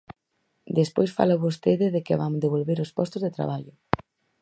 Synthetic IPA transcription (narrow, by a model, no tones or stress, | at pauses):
d̪espojsfa̰loβost̪eðɪðekɪβa̰mdeβolβeɾospɔst̪ozðet̪ɾa̰β̞aʎʊ